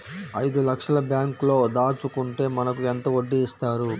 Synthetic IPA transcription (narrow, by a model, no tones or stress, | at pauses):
ɐjd̪ulɐkʂɐlɐbjaːŋklo̞ːd̪aːt͡ʃukuɳʈe̞ːmɐnɐkuent̪ɐoɖːiːst̪aːɾu